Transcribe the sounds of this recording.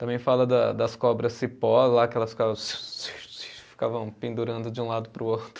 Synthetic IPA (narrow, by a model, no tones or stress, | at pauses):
t̪ɐ̃mbẽj̃falɐd̪ɐd̪ɐskɔbɾɐsipɔzlakɪɛlɐsfi̥kavɐsssi̥fi̥kavɐ̃w̃pẽnd̪uɾɐ̃nd̪ʊd͡ʒɪũlad̪ʊpɾʊot̪ɾʊ